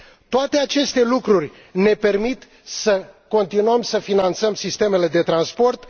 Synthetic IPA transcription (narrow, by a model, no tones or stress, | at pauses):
t̪oat̪e̞at͡ʃe̞st̪e̞lukɾurʲ | ne̞pe̞rmit̪ | səko̞nt̪inuəmsəfinant̪səmsist̪e̞me̞le̞d̪e̞t̪ɾanspo̞rt̪